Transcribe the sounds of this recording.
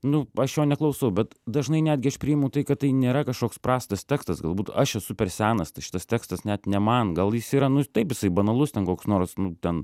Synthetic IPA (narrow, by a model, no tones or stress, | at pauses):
nʊɐʃjoːnʲɛklˠɐʊsɐʊbʲɛt̪d̪ɐʒnɐɪnʲæːd̪ʲɡʲɪɐʃpʲɾʲɪɪmɐʊt̪ɐɪkɐtt̪ɐɪnʲeːɾɐkɐʃkoːkspɾrɑːst̪ɐst̪ʲæːkst̪ɐsɡɐlˠbuːt̪ɐʃɛsʊpʲɛɾsʲæːnɐst̪ɐɪʃɪ̥t̪ɐst̪ʲæːkst̪ɐsnʲæt̪nʲɛmɐnɡɐlˠjɪsiːɾɐnʊt̪ɐɪpjɪsɐɪbɐnɐlˠʊst̪ʲɛnkoːksnoːɾsnʊt̪ʲɛn